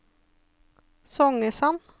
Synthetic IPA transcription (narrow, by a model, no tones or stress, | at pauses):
sɔŋəsɑn